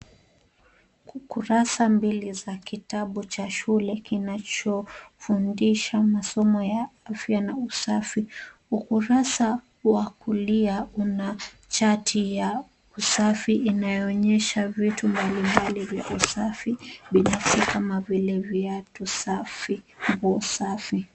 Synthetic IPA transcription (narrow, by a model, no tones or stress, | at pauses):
kuɾasambilizakitaɓut͡ʃaʃulɛkinat͡ʃɔfundiʃamasɔmɔjaafjanausafiukuɾasa | wakuliauna | t͡ʃatʰija | usafiʔːnajɔːɲɛʃavitumbalimbalivjaʔusafiɓinafsikamavilɛvjatusafi | mbuɔsafi